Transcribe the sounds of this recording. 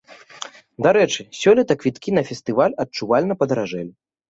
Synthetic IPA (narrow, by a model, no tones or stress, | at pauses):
d̪aɾɛt͡ʂɨsʲɔlʲɐt̪ɐkvʲit̪kʲinɐfʲɛst̪ɨvalʲɐt̚t͡ʂuvalʲnɐpɐd̪ɐɾaʐɛlʲ